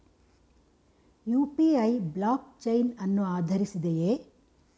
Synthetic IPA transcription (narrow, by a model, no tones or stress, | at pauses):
juːpiɐjblaːkt͡ʃɐjnɐnːuaːd̪ʱɐɾisid̪ejeː